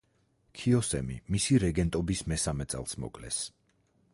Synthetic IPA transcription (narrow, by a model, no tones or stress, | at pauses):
kʰiɔsɛ̰mḭmisiɾɛɡɛnt̪ʼɔbismɛsamɛt̪sʼɛ̰lˠsmɔ̰kʼlɛ̰s